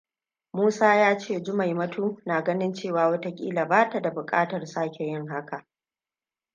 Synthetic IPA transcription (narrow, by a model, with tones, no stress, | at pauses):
muː˦saː˦jaː˦t͡ʃeː˦˨d͡ʒʊ˦ma˨jmɐ˦tʰuː˦naː˨ɡɐ˦nɪ˦nt͡ʃeː˦˨waː˨wɐ˦ta˦kʲʼḭː˦la˨baː˦ta˨da˨bʊ˨kʼaː˦tɐ˨rsaː˦kʲʰe˨jɪ˦ŋɦa˦ka˨ʔ